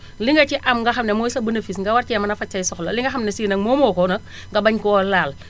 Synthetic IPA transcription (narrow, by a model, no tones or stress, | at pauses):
liŋɡɐciʔɐmŋɡɐxɐmnɛmɔːjsɐbɐnefisŋɡɐwɐɾciɐmɐnɐfɐt͡ʃːɐjsɔxlɐliŋɡɐxɐmnɛsiːnɐŋmɔːmɔːkɔnɐk̚ | ŋɡɐbɐɲkɔlaːl